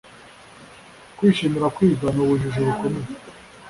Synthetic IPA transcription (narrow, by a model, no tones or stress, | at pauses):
kwiːʃimiɾakwiːzanuβuʒuʒuβukomine